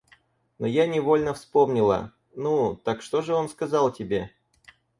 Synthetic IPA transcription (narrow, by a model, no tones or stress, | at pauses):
nojanʲɪvo̞lʲnəfspo̞mnʲɪlˠə̰ | nut̪akʂt̪o̞ʐɨo̞nskɐzɑlˠtʲɪbʲe̞